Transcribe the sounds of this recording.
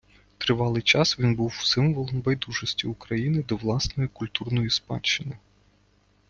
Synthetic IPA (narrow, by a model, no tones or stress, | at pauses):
t̪ɾɪʋɑlˠɪjt͡ʃɑsʋʲinbuwsɪmʋɔlˠɔnbɛjd̪uʒɔsʲtʲiʊkɾɐjinɪd̪ɔʋlˠɑsnɔjikʊlʲt̪urnɔjispɑ̰t͡ʃːɪnɪ